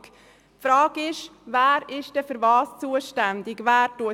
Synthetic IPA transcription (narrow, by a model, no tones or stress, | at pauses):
fɾɑːɡɪʃvæːɾɪʃd̥ɛfyɾvɑːst͡suəʃtændɪɡvæːɾtuə